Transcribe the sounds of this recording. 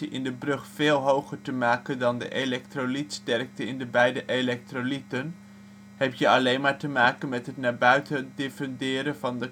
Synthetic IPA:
iʔɪ̰ndəbrɵχfeːlˠɦowχəɹtəmaːkəndɑndə̰ʔelɛk̚trolitstɛrk̚təɪndəbɛjdəʔelɛk̚trolitən | ɦɛp̚tjəɑlejnmaːɹtəmaːkənmɛtɦətnaːɹbœɥtədefɛndɪːɾəvɑndə

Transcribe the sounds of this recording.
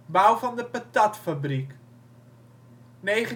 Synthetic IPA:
bawvɑndəpatɑtfabrik | nejχə

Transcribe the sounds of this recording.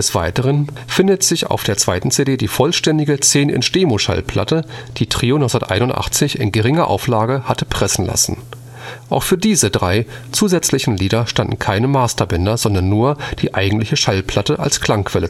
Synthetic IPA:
dɛsv̥aɪtəʁ̞ən | fɪndətz̥ɪça̰ʊfd̥eːɐt͡sv̥aɪtn̩t͡sedeːdiːfɔlʃtɛndɪɡət͡seːnʔɪ̰nʃteːmoʃa̰lpʰl̥a̰təd̥iːtʁ̥iːonɔʏsndɐtʔa̰ɪnʊntʔa̰χt͡sɪçɪ̰nɡəʁɪŋɐʔa̰ʊflaːɡəhatəpʁ̥ɛsn̩la̰sn̩ | ʔaʊxfyːɐdiːzədʁaɪt͡suːzɛt͡slɪçn̩liːdɐʃtandn̩kʰaɪnəmaːstɐbɛndɐzɔndɐnːuːɐd̥iːʔaɪɡŋ̩tlɪçəʃalpʰl̥atəʔa̰lskl̥aŋkv̥ɛlə

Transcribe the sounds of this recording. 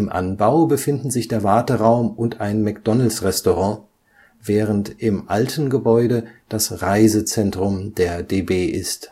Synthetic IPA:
ʔɪmʔa̰nbaʊbəfɪndn̩zɪçd̥eːɐvaɐtəʁaʊmʔʊntaɪnmɛkd̥ɔnəl̩sʁɛstoʁɑ̃ | vɛːʁəntɪmʔaltʰn̩ɡəbɔʏɾəd̥asʁaɪzət͡sɛntʁ̥ʊmdeːɐdeːbeːʔɪst

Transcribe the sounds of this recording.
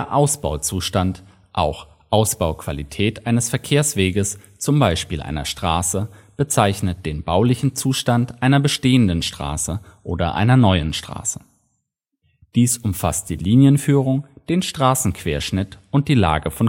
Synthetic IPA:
deːɐʔaʊsb̥aʊt͡suːʃtant | ʔaʊx | ʔaʊsb̥aʊkv̥alitʰɛːtʔaɪnəsfɛɐkʰeːɐsv̥eːɡəs | t͡sʊmbaɪʃpiːlʔa̰ɪnɐ̰ʃtʁ̥aːsəb̥ət͡saɪçnət̚d̥eːnbaʊlɪçn̩t͡suːʃtantʔaɪnɐbəʃteːəndənʃtʁ̥a̰ːsəʔoːdɐ̰ʔa̰ɪnɐnɔʏənʃtʁ̥a̰ːsə̥ | d̥iːsʊmfa̰st̚d̥iːliːnjənfyːʁ̞ʊŋd̥eːnʃtʁ̥aːsn̩kv̥eːɐʃnɪtʔʊnt̚d̥iːla̰ːɡəfɔn

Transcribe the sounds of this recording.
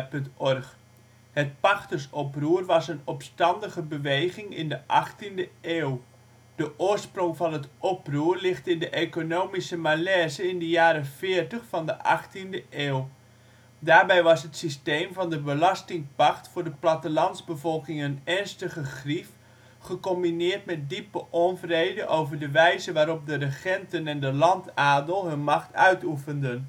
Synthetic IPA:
pɵntɔrχ | hət̚pɑxtəsɔpruərʋɑsənɔpstɑndəɣəbəʋejχɪŋɪ̰ndəʔɑχtindəʔeːw | d̥əʔʊːrsproŋvɑnɦətʔɔpruːərlɪχtɪndəʔekonoːmisəmalɛːzəɪndəjaːɾəfɪːrtəχfɑndəʔɑχtindəʔeːw | daːɹbɛjʋɑsɦətsistejmvɑndəbəlɑstɪŋpɑktfʊːɹdəplatəlɑnzbəvɔlˠkɪŋənɛrnstəχəχrif | χəkɔmbinɪːrtmɛt̚dipəʔɔnvrejdəʔowvəɹdəʋɛjzəʋaːɾɔp̚dərəχɛntənɛndəlɑntaːdəlˠɦɵnmɑχtœ̰ɥtufəndən

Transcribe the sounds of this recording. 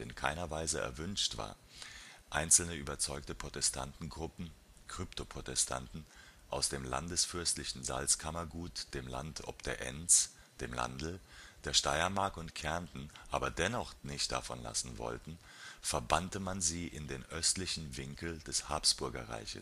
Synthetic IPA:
ɪ̰nkʰaɪnɐvaɪzəʔɛ̰ɐvʏnʃtv̥a̰ːɐʔaɪnt͡sl̩nəʔyːbɐt͡sɔʏktəpʁ̥otɛstʰa̰ntn̩ɡʁʊpm̩ | kʁ̥ʏptʰopʁ̥otɛstʰa̰ntn̩ʔaʊsd̥eːmla̰ndəsfʏɐstlɪçn̩za̰lskʰamɐɡuːtd̥eːmla̰ntʰʔɔ̰p̚d̥eːɐʔɛ̰nt͡s | d̥eːmla̰ndl̩d̥eːɐʃtaɪɐmaɐkʊntkʰɛɐntn̩ʔaːbɐdɛnɔχnɪçt̚d̥a̰fɔ̰nla̰sn̩vɔ̰ltn̩ | fɛɐbantəmanziːʔɪndeːnʔœstlɪçn̩vɪŋkl̩dɛshaːpsb̥ʊɐɡɐ̰ʁa̰ɪçə̰s

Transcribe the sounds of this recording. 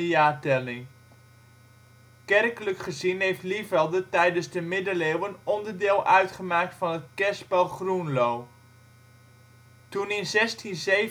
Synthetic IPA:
jaːtɛlɪŋ | kɛrkələkχəzinɦejftlifɛlˠdətɛjdənzdəmɪdəleːwənɔndəɹdɪːlˠʔœɥtχəmaːk̚tfɑnətkɛsbɛlˠχrunlow | tunɪnzɛstʰinze

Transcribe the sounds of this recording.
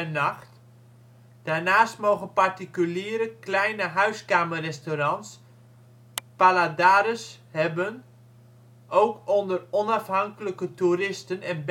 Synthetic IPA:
nɑxt | d̥aːrnaːstmowɣənpartikyliːəɾəklɛjnəɦœɥskaːmərɛstorɑns | paladaːɾəshɛbən | owkondərɔnafɦɑŋkələkətuɾɪstənɛnb

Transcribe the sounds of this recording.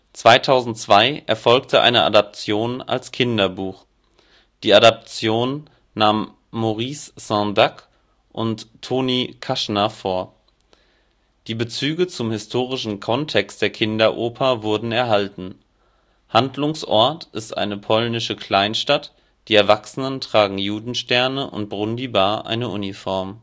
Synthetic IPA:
t͡sv̥aɪtʰaʊzn̩tt͡sv̥aɪʔɛɐfɔlk̚tʰəʔa̰ɪnəʔa̰dap̚t͡sjoːna̰lskʰɪndɐbuːχ | d̥iːadap̚t͡sjoːnː | aːmː | oʁiːssãndak | ʔʊ̰ntʰːoːniːkʰaʃnɐfoːɐ | d̥iːbət͡syːɡət͡sʊmhɪstʰoːʁɪʃn̩kʰɔntʰɛkstd̥eːɐkʰɪndɐʔoːpʰɐvʊɐdn̩ɛɐɦaltn̩ | handlʊŋsʔɔɐtʰʔɪstʔa̰ɪnəpʰɔlnɪʃəkl̥aɪnʃtat | d̥iːɛɐvaksənəntʁ̥aːɡŋ̩juːdn̩ʃtɛɐnəʔʊ̰nt̚b̥ʁʊndibaːʔa̰ɪnəʔunifɔɐm

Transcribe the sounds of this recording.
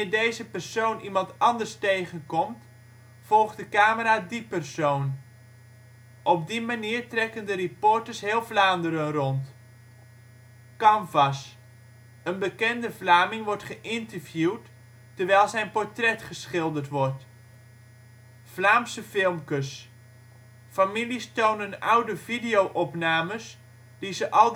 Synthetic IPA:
ɪdejzəpərsownʔimɑntɑndərstejχənkɔmt | fɔlˠχdəkaːməɾaːdipərsown | ʔɔb̚dimaniːrtrɛkəndəripɔɹtəɹsɦɪːlˠvlaːndəɾənrɔnt | kɑmvɑs | ənbəkɛndəvlaːmɪŋʋɔɹtχəʔɪntəɹvjuwt | tːəɹʋɛjlˠzɛjnpɔɹtrɛtχəsχɪlˠdərtʋɔrt | flaːmsəfɪlˠmkəs | familistownənawdəvidijowʔɔpnaːməs | d̥izəʔɑlˠ

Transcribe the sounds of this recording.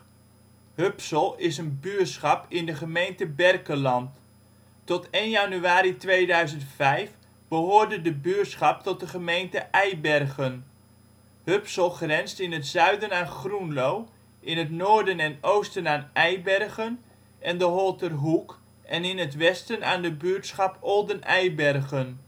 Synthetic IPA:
høpsəlˠɪsənbyətsχɑpɪndəχəmejntəbɛrkəlɑnt | ɔtejnjanyaːɾitʋejdœɥzəntfɛjf | b̥əɦoːɹdədəbyətsχɑp̚tɔt̚dəχəmejntəʔɛjbɛrχən | høpsɔlˠχrɛnstɪnətzœɥdənaːχrunlow | ʔɪnətnoːɹdənɛnowstənaːnɛjbɛrχən | ʔɛndəɦɔlˠtərɦuk | ʔɛnɪnətʋɛstəna̰ːndəbyːɹtsχɑpɔlˠdənɛjbɛrχən

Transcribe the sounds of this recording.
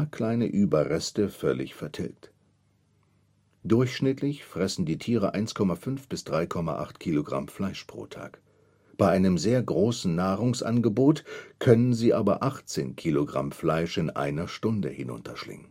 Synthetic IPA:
kʰl̥aɪnə̰ʔyːbɐʁɛstəfœlɪ̰çfɛɐtʰɪ̰lkt | d̥ʊɐçʃnɪtʰlɪçfʁ̥ɛsn̩diːtʰiːʁ̞əʔaɪnskʰɔmafʏnfb̥ɪsd̥ʁaɪkʰɔma̰ʔa̰χtkʰiːloɡʁa̰mflaɪʃpʁ̥o̰ːtʰa̰ːk | b̥aɪʔaɪnəmzeːɐɡʁoːsn̩naːʁʊŋsʔa̰nɡəboːtkʰœnənziːʔaːbɐʔaχt͡seːnkʰiloɡʁa̰mflaɪʃɪnʔa̰ɪnɐʃtʊndə̰hɪnʊ̰ntʰɐʃlɪ̰ŋən

